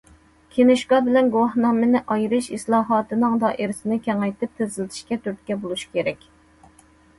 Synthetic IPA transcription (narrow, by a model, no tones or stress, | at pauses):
kʲʰenɪʃɡɑbɪlɛnɡowɑhnɑmɨnɪʔɑjɾɨʃislˠɑːɦɑːt̪ɨnɨŋd̪ɑʔeɾɪsɪnɪkʲʰɛŋɑjt̪ʰɪp̚t̪ʰezɪlɪt̪ʰɪ̥ʃkʲɛt̪ʰyɾt̪̚kʲɛbolˠuʃi̥kʲʰeɾɛkʲ